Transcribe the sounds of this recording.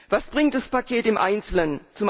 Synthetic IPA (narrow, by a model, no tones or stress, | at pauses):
vasb̥ʁɪŋtd̥aspakʰeːtɪmʔa̰ɪnt͡sl̩nənt͡sʊm